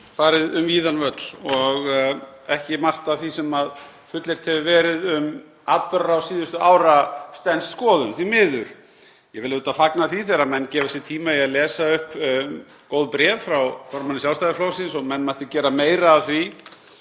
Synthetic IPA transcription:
faːɾɪðʏmiːðanvœt̪l̥ɔɣɛhcɪmar̥t̪avθisɛmað | fʏt̪leɾ̥t̪hɛvɪvɛːɾɪðʏm | apʏɾawsiːðʏst̪ʏaːwɾast̪ɛnst̪skɔːðʏnθvimɪːðʏɾ̥ | jɛvɪlɪðuːt̪afaknaθviθeɾamɛnːcɛːvasjɛt̪ʰiːmaiaðlɛːsaʏhp | kowðpɾɛːvfɾawfɔɾmanɪsjalst̪ajðɪfloːwsɪnsɔmɛnːmajht̪ɪcɛːɾameːjɾaːðθvi

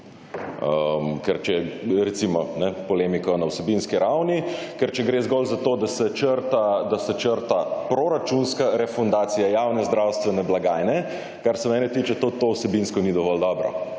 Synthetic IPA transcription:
əmkɛɾt͡ʃɛɾɛt̪simɔnɛpɔleːmikɔnawsɛbinskiɾawni | kɛɾt͡ʃɛɡɾezɡɔlzat̪oːd̪asɛt͡ʃəɾt̪ad̪asɛt͡ʃəɾt̪apɾoɾat͡ʃunskaɾɛfund̪aːt̪sijajawnɛzd̪ɾawst̪ʋɛnɛblaɡaːjnɛ | kaɾsɛmɛːnɛt̪iːt͡ʃɛt̪ot̪owsɛbinskɔnid̪ɔʋɔld̪ɔbɾɔ̰

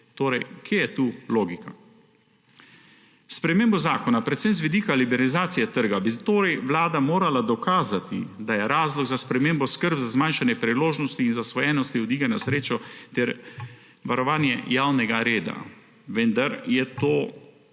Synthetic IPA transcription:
t̪oːɾɛjkʰjejɛt̪uːloːɡika | spɾɛmeːmbɔzaːkɔnapɾɛt̪sɛmzʋid̪iːkalibɛɾalizaːt̪sijɛt̪əɾɡabit̪oːɾɛjʋlaːd̪amoːɾalad̪ɔkaːzat̪ḭd̪ajɛɾaːzlɔɡzaspɾɛmeːmbɔskəɾbzazmanʃanjɛpɾiloːʒnɔst̪iːnzasʋɔjɛnɔst̪iɔd̪iːɡanasɾeːt͡ʃɔt̪ɛɾ | ʋaɾɔʋaːnjɛjaːwnɛɡaɾeːd̪a̰ | ʋənd̪aɾjɛt̪oː

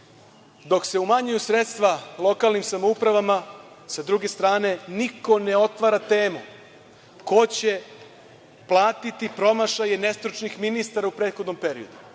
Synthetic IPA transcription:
d̪o̞kse̞umaɲujusɾet̪st̪ʋalˠo̞kaːlnimsamoupɾaʋama | sad̪ɾuɡe̞st̪ɾaːne̞niko̞ne̞o̞t̪ʋaɾat̪e̞ːmu | ko̞t͡ɕe̞ | plˠaːt̪it̪ipɾo̞maʃaje̞ne̞st̪ɾut͡ʃnixminist̪aɾaupɾed̪xo̞d̪no̞mpe̞ɾḭod̪u

